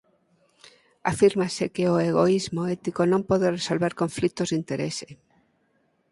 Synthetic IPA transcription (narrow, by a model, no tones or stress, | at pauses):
afiɾmasekeoeɣ̞oizmoɛt̪ikonõmpɔðeresolβeɾkõɱflikt̪ozðint̪eɾḛse̥